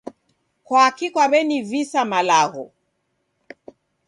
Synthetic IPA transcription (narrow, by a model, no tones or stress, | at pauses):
kwaːkikwaβɛnivisamalaɣɔ